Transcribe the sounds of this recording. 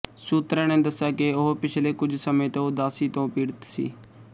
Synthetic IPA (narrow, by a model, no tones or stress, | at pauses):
suːt̪ɾə̃ːnẽːd̪əsːaːkɪʊɦpɪt͡ʃʰleːkʊd͡ʒʱsəmẽːt̪õːʊd̪aːsiːt̪õːpiːɽt̪sḭː